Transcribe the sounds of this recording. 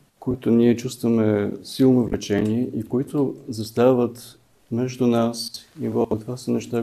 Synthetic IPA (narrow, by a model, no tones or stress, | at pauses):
koit̪ʊniɛt͡ʃust̪vəmɛsilˠnovlʔɛt͡ʃɛniɛʔikoit̪ʊzɐst̪avət̪ | mɛʒd̪unasivɔk̪vasənɛʃt̪a